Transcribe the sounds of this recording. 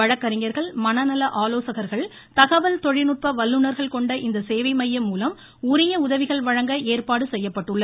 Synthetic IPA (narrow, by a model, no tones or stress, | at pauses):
ɐɻɐkːɐɾɪŋɐɾɣɐɭmɐnɐnɐlɐʔaːloːsɐɣɐɾɣɐɭ | t̪ɐɣɐʋɐlt̪ɔɻɪnʊʈ̚pɐʋɐlːɯnɐɾɣɐɭkɔɳɖɐʔɪnd̪ɐseːʋɐɪmɐjːɐmːuːlɐm | ʊɾɪjɐʊðɐʋɪɣɐɭʋɐɻɐŋɡɐʔeːrpaːɽɯsɛjːɐpːɐʈːɯɭːɐð